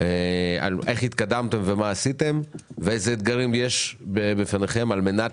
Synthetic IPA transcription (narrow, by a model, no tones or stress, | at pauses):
ea̰lʔeχhit̪kad̪amt̪e̞mve̞maːsit̪e̞mveezeːd̪̚ɡaʁimjeʃbebefaneχe̞malme̞na